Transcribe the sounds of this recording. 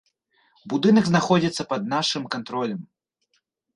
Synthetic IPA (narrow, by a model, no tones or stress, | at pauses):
bud̪ɨnɐɡznaxɔd͡zʲit̪sːɐpɐd̪̚naʂɨmkant̪ɾɔlʲɐm